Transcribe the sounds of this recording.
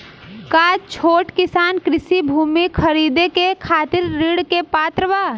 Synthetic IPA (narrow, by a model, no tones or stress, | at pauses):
kat͡ʃʰoːʈkɪsaːnkɾɪsibʱuːmikʰəɾid̪ekekʰaːt̪ɪɾːiɽkepat̪ɾəʋaː